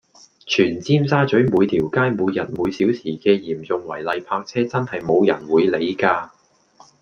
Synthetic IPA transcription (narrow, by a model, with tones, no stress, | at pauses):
t͡ʃʰyː˨˩nt͡siː˥msaː˥t͡sɵ˨˥ɥmuː˨˧jt̪ʰiː˨˩wkaː˥jmuː˨˧jːɐ˨˩t̚muː˨˧jsiː˨˥wsʰiː˨˩kɛː˧jiː˨˩mt͡sʊ˨ŋwɐ̰˨˩jlɐ˨jpʰaː˧k̚t͡sʰɛː˥t͡sɐ˥nhɐ˨jmo˨˧wjɐ̰˨˩nwuː˨˧jle˨˧jkaː˧